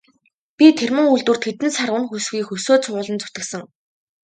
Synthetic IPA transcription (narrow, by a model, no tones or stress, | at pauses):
pʲit̪ʰermɘ̆ŋuɮt̪wŭr̥t̪ʰxet̪ɘ̆nsarʊnxusxiːkxɵsoːt͡sʰʊʊːɮɞ̆nt͡sʊ̥t̪ɘ̆ksə̆ŋ